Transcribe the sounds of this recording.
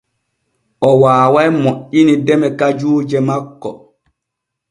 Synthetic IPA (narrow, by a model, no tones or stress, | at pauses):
ʔɔwaːwajmoʔːinidɛmɛkad͡ʒuːd͡ʒɛmakːɔ̰